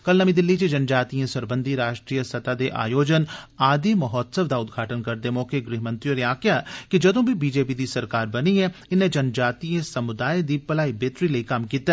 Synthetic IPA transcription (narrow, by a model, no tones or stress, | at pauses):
kɐlnɐmĩd̪ɪlːit͡ʃed͡ʒɐnd͡ʒaːt̪iẽsɐɾbə̃nd̪ʱiɾaːʃʈɾiːjəsɐt̪ad̪eʔa̰ːjoːd͡ʒən | aːd̪imɐɦɔːd̪səʋd̪aʊd̪ɡʱaːʈənkɐɾd̪emɔːkeɡɾiːɦmə̃nt̪ijoːɾeaːkɪjakid͡ʒɐd̪õbʱibiːd͡ʒeːpid̪isɐɾkaːɾbɐniɦɛ̃ɪnẽd͡ʒɐnd͡ʒaːt̪iẽsɐmʊd̪aːjd̪ipɐlaːibeːt̪ɾiləikamkiːt̪a